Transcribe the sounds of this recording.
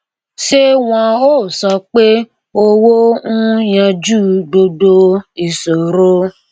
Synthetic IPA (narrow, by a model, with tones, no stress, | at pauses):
ʃe˦w̃ɔ̃˧oː˦˨sɔ˧k͡pe˦ | o˧wo˦nũ˦jã˧d͡ʒu˦˨do˧do˧i˨so˨ɾo˦